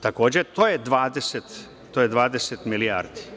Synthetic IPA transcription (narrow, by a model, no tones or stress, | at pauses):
t̪ako̞ːd͡ʑet̪oːjed̪ʋaːd̪eset̪ | t̪ːojed̪ʋaːd̪eset̪milija̰ːɾd̪i̥